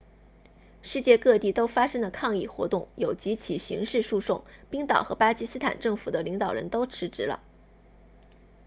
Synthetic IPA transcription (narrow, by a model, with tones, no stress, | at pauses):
ʂɻ̩˥˧t͡ɕjɛ˥˧kɤ˥˧t̪i˥˩t̪o˥ʊfa˥ʂɤ˥ŋlə˨kʰɑ˥˧ŋi˥˩xwɔ̰˧˥t̪ʊ˥˩ŋjo˨˩ʊt͡ɕi˧˥t͡ɕʰi˨˩ɕḭ˧˥ŋʂɻ̩˥˧ʂu˥˧ʂʊ˥˩ŋpi˥ŋt̪ɑ̰˨˩ʊxɤ˧˥pa˥t͡ɕi˥sɹ̩˥t̪ʰa̰˨˩nʈ͡ʂɤ˥˩ŋfu˨˩d̪ə˦li˧˥ŋt̪ɑ˨˩ʊɻə̰˧˥nt̪o˥ʊʈ͡ʂʰɻ̩˧˥ʈ͡ʂɻ̩˧˥lə̰˧